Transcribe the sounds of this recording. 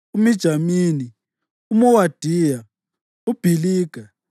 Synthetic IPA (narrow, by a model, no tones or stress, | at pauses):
umid̥ʒ̥ʱamiːni | umuwad̥ʱiːja | ub̥ʱiliːɡ̥ʱa